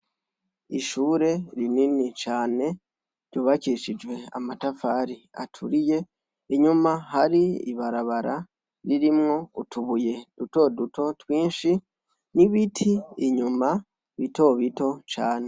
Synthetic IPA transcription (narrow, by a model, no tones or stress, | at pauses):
iʃuːɾe̞ɾininit͡ʃaːne̞ | ɾɟo̞ːβaciʃid͡ʒwe̞a̰matafaːɾia̰tʰuɾije̞ | iɲumaɦaɾiḭβaɾaβaɾa | ɾiɾimŋo̞utuβuje̞duto̞duto̞twiːnʃi | niβitʰiiɲuma | βito̞βito̞t͡ʃaːne̞